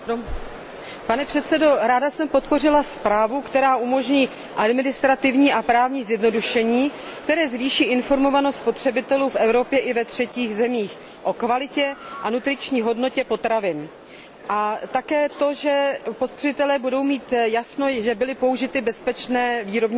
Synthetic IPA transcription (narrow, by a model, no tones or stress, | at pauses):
panɛpr̥ɛt̪sɛdo̞ɾaːdasɛmpo̞t̪po̞r̝ɪlaspɾaːvukt̪ɛɾaːʔumo̞ʒɲiː | ʔadmɪnɪst̪ɾat̪ɪvɲiːʔapɾaːvɲiːzjɛdno̞duʃɛɲiːkt̪ɛɾɛːzviːʃiːʔɪnfo̞ɾmo̞vanost̪spo̞t̪r̥ɛbɪt̪ɛluːfʔɛvɾo̞pjɛʔɪvɛt̪r̝̥ɛciːɣzɛmiːx | ʔo̞kvalɪcɛʔanut̪ɾɪt͡ʃɲiːɦo̞dno̞cɛpo̞t̪ɾavɪn | ʔat̪akɛːt̪o̞ʒɛpot̪t̪r̥ɪt̪ɛlɛːbudo̞wmiːt̪jasno̞ʒɛbɪlɪpo̞uʒɪt̪ɪbɛspɛt͡ʃnɛːviːɾo̞bɲ